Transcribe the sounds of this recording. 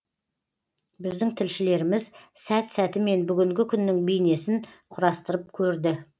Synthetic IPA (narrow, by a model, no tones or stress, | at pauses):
bɪzd̪ɪŋt̪ʰɪlʃɪle̞ɾɪmɪzsæt̪sæt̪ɪme̞nbʏɡʲɪŋɡʲɪkʲʰʏnːɪŋbejne̞sɪnqʰʊɾɑst̪əɾəp̚kʲʰɵɾd̪ɪ